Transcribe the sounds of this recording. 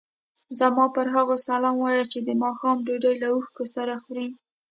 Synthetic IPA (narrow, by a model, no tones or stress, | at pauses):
zamɑpəɾɦaɣosalɑmwɑjat͡ʃed̪əmɑxɑmɖoɖajlauxkosaɾaxɾi